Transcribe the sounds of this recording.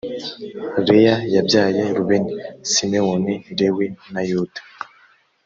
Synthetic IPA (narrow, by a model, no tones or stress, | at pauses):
ɾejajabjaːjeɾuβenisinewoniɾewinajuːtḁ